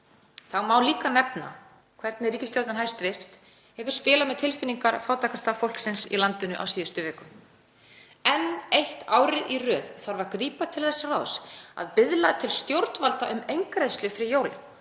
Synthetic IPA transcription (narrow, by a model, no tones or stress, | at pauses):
θaɣmaːwliːkanɛpna̰ | kʰv̥ɛɾt̪nɪriːcɪst̪joɾt̪nɦajst̪vɪ̥ft̪ | hɛvʏɾ̥spɪːlamɛðt̪ʰɪlfɪnːiŋkaɾfaːwt̪ʰaːkast̪afowl̥ksɪnsḭlant̪ɪnʏʔa̰wsiːðʏst̪ʏvɛːkʏm | ɛnejht̪aːwɾɪðʔirœːðθaɾvaɾkɾiːpat̪ʰɪlθɛsːarawsa̰ðpɪðlat̪ʰɪlst̪jowɾt̪nvalt̪aʔʏmejŋkɾeðst̪lʏfɾɪjoːwl